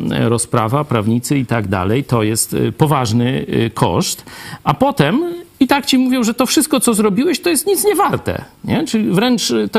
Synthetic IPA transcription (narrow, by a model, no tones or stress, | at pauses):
ɾɔspɾa̰vapɾavɲit̪sɘit̪aɡd̪a̰lɛjt̪ɔjɛst̪pɔvaʐnɘkʰɔ̰ʂt̪ʔapɔt̪ɛmit̪akt͡ɕimuvʲjɔ̃w̃ʐɛt̪ɔfʂɘst̪kɔt̪sɔzɾɔbʲiwɛɕt̪ɔjɛst̪ɲit̪sɲɛvaɾt̪ɛ̰ɲɛt͡ʂɘlʲivɾɛnt͡ʂt̪ɔ